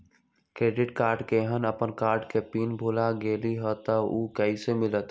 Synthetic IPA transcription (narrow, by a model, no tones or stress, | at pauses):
kɾeːɖɪʈkaːɾɖkeɦənəpənkaːɾɖkepiːnbʱulaɡeːliɦət̪əukəisemɪlət̪